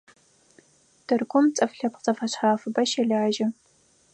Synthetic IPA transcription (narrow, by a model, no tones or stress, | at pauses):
tʰɨrkʷʰʊmt͡sʼɐfɬɐpqt͡sʼɐfɐɕħaːfɨbɐʃɛɮaːʒɐ